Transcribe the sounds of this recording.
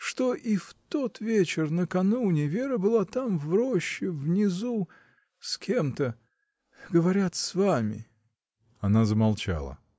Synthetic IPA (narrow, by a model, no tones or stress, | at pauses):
ʂt̪o̞ʔift̪o̞t̪vʲet͡ɕɪrnəkɐnunʲɪvʲeɾəbɨlˠat̪amvɾoɕːɪvnʲɪzu | skʲʰemt̪ə | ɡəvɐɾʲat̪svamʲɪ̰ | ɐnazəmɐlˠt͡ɕa̰lˠə̰